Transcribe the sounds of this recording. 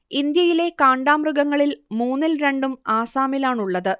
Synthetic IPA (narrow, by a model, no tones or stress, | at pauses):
ind̪jɐjile̞kaːɳɖaːmruɡɐŋːɐɭilmuːnːilɾe̞ɳɖumaːsaːmilaːɳuɭːɐðɨ